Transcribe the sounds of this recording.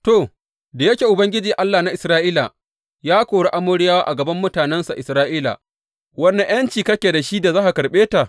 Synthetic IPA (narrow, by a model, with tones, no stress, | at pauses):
toː˨ | da˨jɐ˦kʲeː˨ʔʊ˨bɐ˦ŋɡʲɪ˦d͡ʒiː˨ʔa˦lːaː˨na˦ʔɪ˨sɾaː˦ʔiː˦la˨ | jaː˦kʷoː˨ɽe˦ʔa˦mʊ˦ɽɪ˦jaː˦waː˦ʔa˨ɡɐ˨bɐ˦mːʊ˦taː˨nɛ˦nsa˨ʔɪ˨sɾaː˦ʔiː˦la̰˨ | wɐ˦nːe˨j̰ɐ˦nt͡ʃiː˨kɐ˦kʲeː˨da˨ʃi˦da˨zaː˦ha˨kɐ˨ɽɓeː˦ta˨